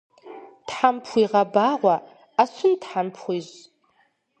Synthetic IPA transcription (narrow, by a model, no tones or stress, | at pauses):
tħampʰχʷiʁabaːʁʷa | asʷʊntħampʰχʷiz